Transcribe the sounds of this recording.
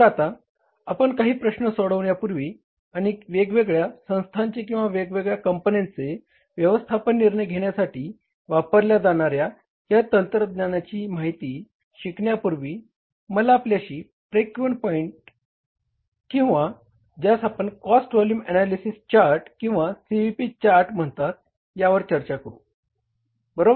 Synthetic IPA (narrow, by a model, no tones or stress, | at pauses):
d͡zat̪aː | pəɳkaɦiːpɾəɕnəsɔɽəʋɳjapuɾʋiː | aɽ̃iʋeɡʋeɡɭjasə̃w̃st̪ʰaɲt͡ɕekĩw̃ʋaʋeɡʋeɡɭjakəmponent͡se | ʋjəʋəst̪ʰapənːiɾɳəjɡʱeɳjasaʈiː | ʋapəɾljad͡zaɳ̃aɾja | ɦjat̪ənt̪ɾəd̪ɲanat͡ɕiːmaɦit̪iː | ɕikɳjapuɾʋiː | məlaːpljaɕiː | pɾekʋɳpɔiɳʈ | kĩw̃ʋa | d͡ʑjasapəɳkɔsʈʋɔljuːmɛnalisist͡ɕaɾʈkĩw̃ʋasiʋipit͡ɕaɾʈm̤əɳt̪at̪̚ | jaʋəɾt͡ɕəɾt͡ɕakəɾṵ | bəɾob